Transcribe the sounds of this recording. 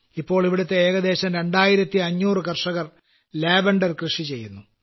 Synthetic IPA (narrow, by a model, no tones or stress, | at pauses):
ipːo̞ːɭiʋiɽut̪ːeeːɣɐd̪e̞ːɕɐmɾe̞ɳɖaːjiɾɐt̪ːiɐɲːuːrɨkɐrʂɐɣɐr | leːbɐɳɖɐrkrɨʂit͡ɕe̞jːunːu